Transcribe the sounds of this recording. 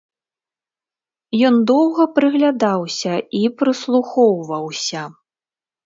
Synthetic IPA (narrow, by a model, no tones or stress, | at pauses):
jɔnd̪ɔwɣɐpɾɨɣlʲad̪awsʲɐipɾɨslˠuxɔwvɐwsʲɐ